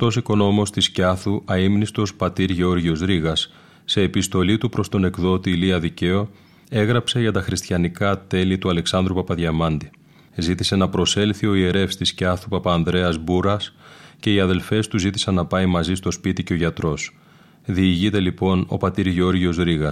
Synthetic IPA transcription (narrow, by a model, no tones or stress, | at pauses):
t̪o̞siko̞noomo̞st̪iscɐθuʔɐimnist̪o̞spɐt̪iɾʝeo̞ɾʝio̞zɾiɣɐsː | e̞ːpist̪o̞lit̪upɾo̞st̪o̞ne̞kðo̞t̪iliɐðice̞o̞ | e̞ɣɾɐpse̞ʝɐt̪ɐxɾist̪çɐnikɐt̪e̞lit̪uɐle̞ksɐnd̪ɾupɐpɐðʝɐmɐnd̪i | zit̪ise̞nɐpɾo̞se̞lθio̞ie̞ɾe̞fst̪iscɐθupɐpɐːnðɾe̞ɐzbuɾɐsce̞iɐðe̞lfe̞st̪uzit̪i̥sɐnːɐpɐimɐzist̪o̞spit̪ice̞o̞ʝɐt̪ɾo̞s | ðiːʝit̪e̞lipo̞no̞̰pɐt̪iɾʝeo̞ɾʝio̞zɾiɣɐ